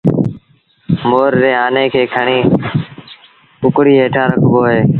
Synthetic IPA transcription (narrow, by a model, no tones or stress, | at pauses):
moːɾɾeːaːnẽːkʰeːkʰəɳiː | kʊkɽiːɦeːʈʰaːɾəkʰboːɦeː